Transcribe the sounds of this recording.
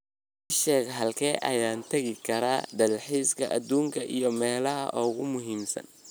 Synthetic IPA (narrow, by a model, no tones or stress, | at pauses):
ɪʃɛːɣɦɐlkʰɛːʔɐ̰jaːnt̪ʰɐɣɪkʰɐɾaːd̪ɐlħiːskʰɐʔɐd̪uːŋkʰɐʔijɞmɛːlɐɦɐ̰ʔɔːɣʊmʊɦiːmsɐ̰n